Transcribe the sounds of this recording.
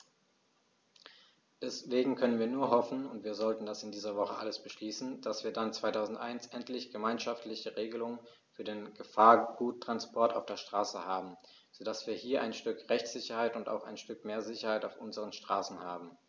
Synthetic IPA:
d̥ɛsveːɡŋ̩kʰœnənviːɐnuːɐɦɔfn̩ʊntv̥iːɐzɔltn̩dasɪndiːzɐvɔχəʔa̰ləsb̥əʃliːsn̩d̥asv̥iːɐdant͡sv̥aɪtʰaʊzn̩tʔaɪnsʔɛntlɪçɡ̥əmaɪnʃaftlɪçəʁeːɡəlʊŋən | fyːɐdeːnɡ̥əfaːɐɡ̥uːtʰːʁ̥anspʰɔɐtaʊfd̥eːɐʃtʁ̥aːsəhaːbm̩ | z̥odasv̥iːɐhiːɐʔaɪnʃtʏkʁɛçt͡sz̥ɪçɐhaɪtʊnta̰ʊxa̰ɪnʃtʏkmeːɐzɪçɐhaɪtaʊfʔʊnzəʁənʃtʁ̥aːsn̩haːbm̩

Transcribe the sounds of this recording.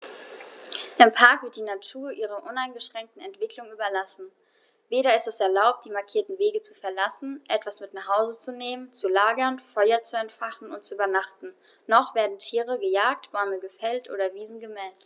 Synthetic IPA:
ʔɪmpʰaɐkv̥ɪɐt̚d̥iːnatʰuːɐʔiːʁ̞ɐʔʊnaɪnɡəʃʁ̥ɛŋk̚tn̩ɛntv̥ɪklʊŋyːbɐlasn̩ | veːɾɐɪstɛsɛɐlaʊp̚td̥iːmaɐkʰiːɐtn̩veːɡət͡sufɛɐlasn̩ʔɛtv̥asmɪtnaχhaʊzət͡suneːmənt͡sulaːɡɐnfɔʏɐt͡suɛntfaχn̩ʊntt͡suʔyːbɐnaχtn̩ | nɔχv̥eːɐdn̩tʰiːʁ̞əɡəjaːk̚tb̥ɔʏməɡəfɛltʔo̰ːɾɐviːzn̩ɡəmɛːlt

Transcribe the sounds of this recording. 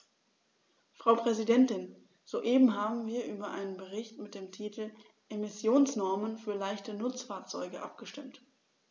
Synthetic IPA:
fʁ̥aʊpʁ̥ɛzidɛntɪn | z̥oːʔeːbm̩ɦaːbm̩viːɐʔyːbɐʔa̰ɪnənbəʁɪçtmɪt̚d̥eːmtʰiːtʰl̩ | ʔemɪsjoːnsnɔɐmənfyːɐlaɪçtənʊt͡sfaːɐt͡sɔ̰ʏɡəʔa̰pɡ̥əʃtɪmt

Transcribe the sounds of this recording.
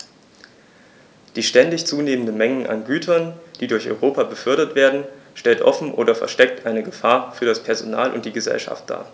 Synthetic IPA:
d̥iːʃtɛndɪçt͡suːneːməndənmɛŋən̩ʔa̰nɡyːtʰɐnd̥iːdʊɐçɔ̰ʏʁ̞oːpabəfʏɐɾɐtv̥eːɐdn̩ʃtɛltʔɔfn̩ʔo̰ːdɐfɛɐʃtɛk̚tʔaɪnəɡəfaːɐfyːɐɾaspʰɛɐzona̰ːlʔʊ̰nt̚d̥iːɡəzɛ̰lʃa̰ft̚d̥a̰ː

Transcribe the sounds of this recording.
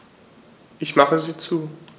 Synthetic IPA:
ʔɪçmaχəziːt͡suː

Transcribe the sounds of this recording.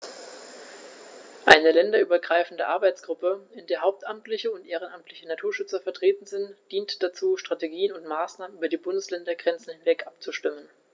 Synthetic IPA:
ʔa̰ɪnəlɛndɐʔyːbɐɡʁaɪfn̩dəʔaɐbaɪt͡sɡ̥ʁʊpəɪndeːɐɦaʊp̚tʔamtlɪçəʊntʔeːʁ̞ənʔamtʰlɪçənatʰuːɐʃʏt͡sɐfɛɐtʁ̥eːtn̩zɪntd̥iːntd̥at͡suːʃtʁ̥ateɡiːənʊntmaːsnaːmənʔyːbɐdiːbʊndəslɛndɐɡʁɛnt͡sn̩hɪnvɛkʔapt͡suʃtɪmən

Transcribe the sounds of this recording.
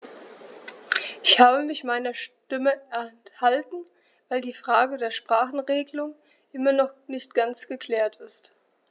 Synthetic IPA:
ʔɪçhaːbəmɪçmaɪnɐʃtɪməɛɐhaltn̩ | vaɪldiːfʁ̥aːɡədeːɐʃpʁ̥aːχn̩ʁeːɡəlʊŋ | ʔɪmɐnɔχnɪçt̚ɡ̥ant͡sɡ̥əkʰl̥ɛːɐtʰɪst

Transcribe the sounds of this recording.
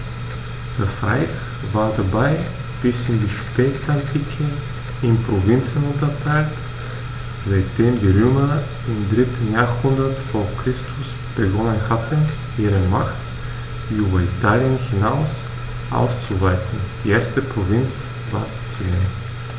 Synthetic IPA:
d̥asʁa̰ɪç | vaːɐdabaɪ | b̥ɪsɪndiːʃpɛːtantʰiːkʰə | ɪmpʁ̥ovɪnt͡sn̩ʊntɐtʰaɪlt | z̥aɪt̚d̥eːmdiːʁøːmɐ | ɪmdʁɪtn̩jaːhʊndɐtfɔːɐkʁ̥ɪstʰʊs | b̥əɡɔnənhatʰn | ʔiːʁəmaxt | d̥iːyːbɐitʰaːljənhinaʊs | ʔa̰ʊst͡suvaɪtn̩d̥iːʔeːɐstəpʁ̥ovɪnt͡s | va̰ːɐst͡sin

